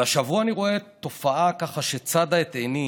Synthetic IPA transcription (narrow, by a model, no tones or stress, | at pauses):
aʃavuaniʁo̞e̞tːo̞faʔakaχaʃe̞t͡sad̪aet̪eni